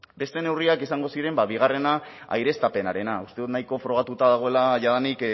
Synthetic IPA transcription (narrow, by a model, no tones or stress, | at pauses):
be̞st̪e̞ne̞wriakisaŋɡo̞siɾe̞mbaβiɣ̞are̞na | a̰jɾe̞st̪ape̞naɾe̞naust̪e̞ðut̪najko̞fɾo̞ɣ̞at̪ut̪aðaɣ̞o̞e̞laʝaðanik